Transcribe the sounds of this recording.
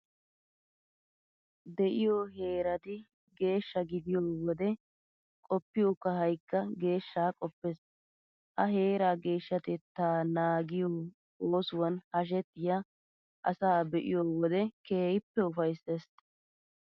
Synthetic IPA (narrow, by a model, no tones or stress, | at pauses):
d̪ɛʔɪjoɦe̞ːɾɐt̪ɪ | ɡe̞ːʃːɐɡɪd̪ɪjoːwɔd̪ɛ | kʼɔpːɪjokːɐɦɐjkːɐɡe̞ːʃːaːkʼɔpːɛs | ʔɐɦe̞ːɾaːɡe̞ːʃːɐt̪ɛt̪ːaːnaːɡɪjo | oːsʊwɐnhɐʃ̬ɛt̪ːɪja | ʔɐsaːbɛʔɪ̰joːwɔd̪ɛkeːjɪpːɛʊfɐjses